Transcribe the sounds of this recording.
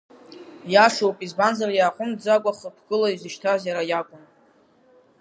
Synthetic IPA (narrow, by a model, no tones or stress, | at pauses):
jaʂowpʼizbanzarjaqʼʊmdd͡zakʷʼaχəpʰɡʼɨlaizɨʃtʰazjaɾajakʷʼʊn